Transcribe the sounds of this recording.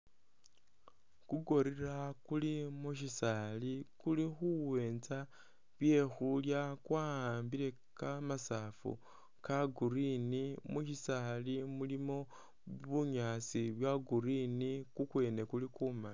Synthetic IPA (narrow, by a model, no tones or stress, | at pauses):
kuɡo̞ɾirakulimuʃisalikulixuwe̞ːnza | βje̞xuljakwaaːmbile̞ | kamasafṵ | kaɡuɾinimuʃisalimulimo̞ | βuɲat͡siβjaɡuɾinikukwe̞ːne̞kulikumai